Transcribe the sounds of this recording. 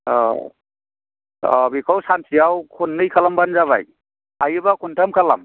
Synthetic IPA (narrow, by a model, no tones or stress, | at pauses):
ɔ | ɔ̰bikʰawsansijawkʰunːɯjkʰalambanzaβa̰j | ajɯbakʰuntʰamkʰala̰m